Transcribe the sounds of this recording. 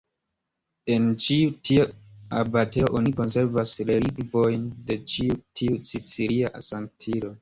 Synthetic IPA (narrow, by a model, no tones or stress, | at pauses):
e̞nt͡ʃiutʰioabateoʔoniko̞nse̞ɾvasleɾiɡvo̞jnde̞t͡ʃiutʰiusit͡siɾiaʔa̰saŋtʰiɾo